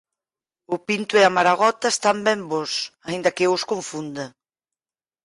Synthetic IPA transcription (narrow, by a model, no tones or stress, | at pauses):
ʊpint̪ʊɛamaɾaɣɔt̪aest̪ambɛmbɔsaind̪ɐkeʊskoɱfund̪a